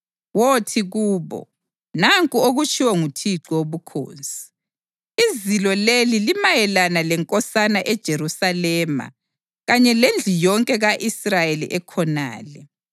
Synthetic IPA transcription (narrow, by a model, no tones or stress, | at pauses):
wotʰiɣuːβɔ̰ | naŋkʼuoɣut͡ʃʼʰiwɛŋutʰiǁɔwoβukʰo̰ːnsʼi̥ | izilɔlelilimajɛlanalɛŋkʼɔsanaʔɛd̥ʒ̥ʱeɾusalɛːma̰ | ɣaɲɛlend͡ɮʱijɔŋkʼɛɣaʔisrajelḭʔɛkʰɔna̰ːlɛ